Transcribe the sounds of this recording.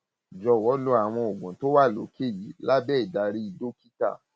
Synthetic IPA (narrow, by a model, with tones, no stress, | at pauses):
d͡ʒɔ˧wɔ˨˦lo˦a˨w̃ɔ̃˧o˨ɡũ˨to˦wa˦˨lo̰˨˦ke˦˨ji˨˦la˦bɛː˦i˨da˨˧ɾi˧i˧do˦ki˦ta̰˦˨